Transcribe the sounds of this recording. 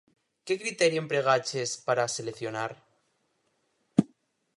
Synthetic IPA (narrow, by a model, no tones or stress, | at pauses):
ke̞kɾit̪eɾjoempɾe̞ɣ̞at͡ʃe̞spaɾase̞lekθjo̞naɾ